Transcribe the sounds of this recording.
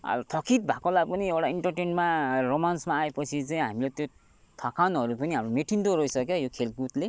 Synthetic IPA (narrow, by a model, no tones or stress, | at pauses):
ʌ̰t̪ʰʌkʰit̪̚bʱakolaɡpʌniewʈaiɳʈʌrʈeɳɖmaromansmaːepʌt͡sʰit͡saĩɦamilet̪jo | t̪ʰakʰanɦʌɾupʌniɦamɾomeʈʰint̪oɾʌisʌkjojokʰelɡut̪le